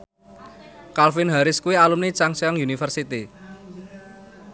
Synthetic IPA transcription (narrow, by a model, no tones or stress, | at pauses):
kalfɪnɦaɾɪskuialumnit͡ʃaŋsiaŋjunifərsit̪i